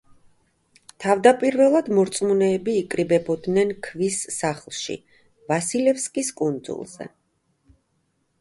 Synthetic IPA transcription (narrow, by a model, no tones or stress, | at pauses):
t̪ʰavd̪apʼiɾvɛlˠad̪mɔɾt̪sʼmunɛːbiːkʼɾibɛbɔd̪nɛnkʰvisːaχlˠʃḭ | vasilɛfskʼiskʼund̪zṵlˠz̥ɛ̰